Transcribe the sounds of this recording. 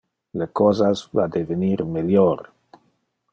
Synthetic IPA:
lekɔzazvad̪eveniɾmeljoɾ

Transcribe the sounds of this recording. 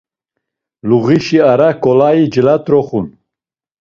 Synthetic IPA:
luɣiʃiaɾakɔlaid͡ʒəlat̪ɾɔχun

